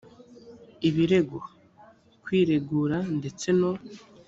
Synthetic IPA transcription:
iβiɾe̞ɡo | kwiːɾe̞ɡuːɾande̞t͡se̞no̞

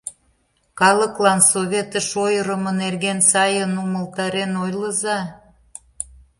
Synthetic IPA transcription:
kɑlə̆klɑnsoβʲet̪əʃojəɾə̆mə̆nerɣensɑjənuməlt̪ɑɾenojləzɑ

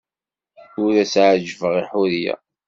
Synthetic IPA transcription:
ʊɾæsʕʒvəʁiħʊɾijæ̰

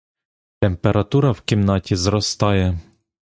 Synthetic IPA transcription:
t̪empeɾʔɐt̪uɾɐwkʲimnɑtʲizɾɔst̪ɑjɛ

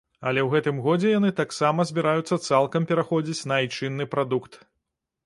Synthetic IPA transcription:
ɐ̰lʲɛwɣɛt̪ɨmɣɔd͡zʲɛjanɨt̪aksamɐzʲbʲiɾajut̪sːɐt̪salˠkɐmpʲɛɾaxɔd͡zʲit͡sʲnɐjt͡ʂɨnːɨpɾad̪ukt̪

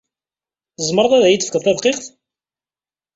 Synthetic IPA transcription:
zˤmɾˤɑðˤæðæjit̪ːəfəkəðˤθæðˤqeχθ

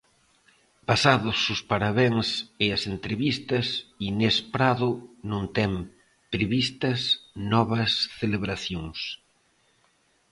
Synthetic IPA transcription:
pasaðʊsʊspaɾaβeŋsɪɐsent̪ɾeβist̪ɐsinespɾaðʊnõnt̪ɛm | pɾeβist̪ɐsnɔβɐsθeleβɾaθjoŋs

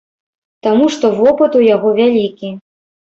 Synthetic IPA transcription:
t̪amuʂt̪ɔvɔpɨt̪ujaɣɔvʲalʲikʲi

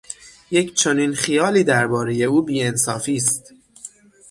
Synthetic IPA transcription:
jecʰt͡ʃʰo̞ninxijɒːliːd̪æɾbɒːɾe̞je̞uːbiːensɒːfiːst̪

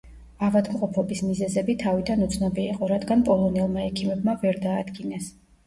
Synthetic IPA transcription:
avad̪mqʼɔpʰɔbismizɛzɛbit̪ʰavid̪anut̪sʰnɔbiːqʼɔɾad̪ɡanpʼɔlˠɔnɛlˠmaɛkʰimɛbmavɛɾd̪aːd̪ɡinɛs

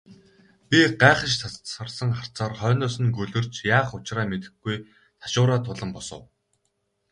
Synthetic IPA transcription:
pʲiɢaːχə̆ʃt͡sʰaə̆rsə̆ŋχar̥t͡saːrχœːnʊːsɘ̆nɡɵɮɵ̆r̥t͡ɕjaːχʊt͡ɕraːmet̪ɘ̆ɡuj | t̪ʰḁʃʊːɾaːt̪ʰʊɮə̆mpɔsə̰̆w

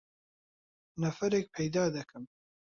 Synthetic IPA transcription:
nɐfɐɾeːk̚pʰɛjd̪aːd̪ɐkʰɨm

